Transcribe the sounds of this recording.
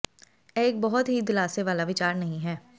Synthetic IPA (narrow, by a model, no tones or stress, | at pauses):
ɛek̚bɔɦʊt̪ɦid̪ɪlaːseʋaːlaʋɪt͡ʃaːɾnɐɦĩɦɛː